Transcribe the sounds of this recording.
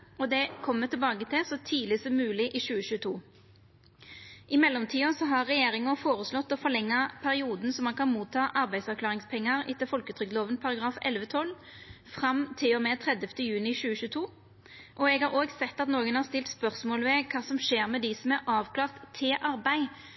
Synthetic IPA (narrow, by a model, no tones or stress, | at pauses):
ɔd̪ɛkʰɔmːət̪ɪlbɑːɡət̪ʰɪsɔt̪ʰiːlɪsɔmːʉːlɪʔɪʃʉːəɕʉːt̪ʰuː | ʔɪmɛlːɔmt̪ʰiːɔsɔɦɑʁːɛjeːɾɪŋʊfoːʁəslɔt̪ːɔfɔʁlɛŋːɑpʰæɾɪuːd̪n̩sɔmːɑnkʰɑnmuːt̪ʰːɑːʔɑɾbæɪd̪sɑʁkʰlɑːʁɪŋspʰɛŋːəɾɪt̪ːəfɔlkət̪ʰʁʏk̪loːʋənpʰɑɾɑɡɾɑːfɛ̰lʋət̪ʰɔl | fʁɑmt̪ʰɪlɔmɛt̪ʰʁɛd̪əft̪əjʉːnɪʃʉːəɕʉːt̪ʰuː | ʔɔɛɡhɑʁoːɡsɛt̪ːɑt̪noːɡənhɑʁst̪ɪlt̪spœʁsmoːləʋɛkʰɑːsɔmʃeːɾmɛd̪ɪsɔmæʁɑːʋkʰlɑːʁt̪ʰːɪʔɑɾbæɪ